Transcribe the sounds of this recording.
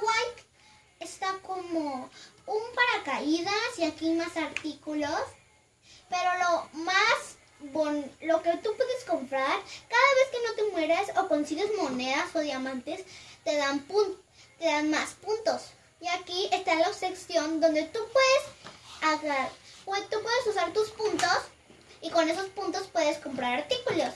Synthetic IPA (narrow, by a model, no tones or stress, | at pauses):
wajk | est̪akomoumpaɾakaiðasiakiajmasaɾt̪ikulos | peɾo̞lomas | βonloket̪upweðeskompɾaɾkaðaβe̞skeno̞t̪e̞mweɾasokonsiɣezmo̞neðasoðjamãnt̪est̪e̞ðampun | t̪eðanmaspunt̪o̞s | iakiest̪alaoβseksjo̞nd̪o̞nd̪e̞t̪upwe̞ðesaɣaɾpet̪upwe̞ðesusaɾt̪uspunt̪o̞s | iko̞ne̞so̞spunt̪o̞spwe̞ðesko̞mpɾaɾaɾt̪ikulo̞s